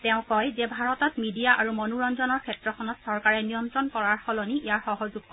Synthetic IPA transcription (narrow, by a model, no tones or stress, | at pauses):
tɛʊ̃kɔjzɛbʱaɹɔtɔtmidijaʔaɹumɔnuɹɔnzɔnɔɹkʰɛtɹɔkʰɔnɔtsɔɹkaɹɛnijɔntɹɔnkɔɹaɹxɔlɔniijaɹxɔɦɔzuɡ